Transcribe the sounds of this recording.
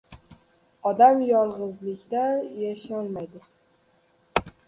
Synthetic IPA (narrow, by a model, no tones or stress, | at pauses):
ɒd̪amjɒɾˠʁɨzlɪkʲd̪ajaʃɒnmajd̪ɪ